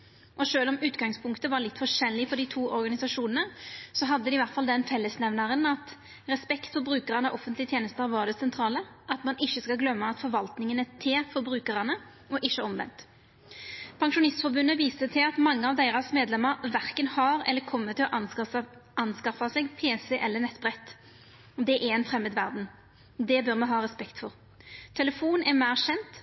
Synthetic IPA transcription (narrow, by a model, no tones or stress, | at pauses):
ʔɔʂøːlɔmʉːt̪ɡɑŋspʰʊŋkt̪əʋɑɾlɪt̪ːfɔʂɛlːɪfɔɾɖ̪ɪt̪ʰuːʔɔɾɡɑnɪsɑʂuːnənəsɔɦɑd̪ːəd̪ɪʋæɾt̪fɑld̪ɛnfɛlːəsnɛʋnɑɾənɑt̪ | ʁɛspɛkt̪fɔɾbɾʉːkəʁɑnəʔɔfənt̪lɪət̪ʰjeːnəst̪əɾʋɑd̪ɛsɛnt̪ʰɾɑːləɑt̪mɑnɪçːəskɑɡlœmːəɑt̪fɔɾʋɑlt̪nɪŋənət̪ʰeːfɔɾbɾʉːkəʁɑnə | ɔʔɪçːəɔmʋɛ̰nt̪ | pʰɑŋʂʊnɪst̪fɔɾbʉnːəʋiːsət̪ʰɪlɑt̪mɑŋːəɑʋd̪æɪʁɑsmeːd̪lɛmːəɾʋæʁkənhɑɾɛ̰lːəkʰɔmːət̪ʰːɪlɔʔ | ɑnskɑfɑsɛɡpʰeːsɛʔɛlːəʁnɛt̪ːbʁɛt̪ː | d̪ɛʔɛɾɛnfʁɛmːəd̪ʋæʁd̪n̩ | d̪ɛbœʁmɛnɦɑːʁɛspɛkt̪fɔʁ | t̪ʰɛləfuːnɛʁmæɪʁɕɛnt̪